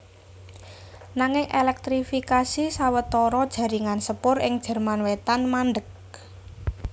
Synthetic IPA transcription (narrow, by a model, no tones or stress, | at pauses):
naŋɪŋʔelɛk̚t̪ɾifikasisawət̪ɔɾɔd̥ʒ̥ä̤ɾiŋansəpʊɾɪŋd̥ʒ̥ɛ̤rmanwet̪anmanɖək̚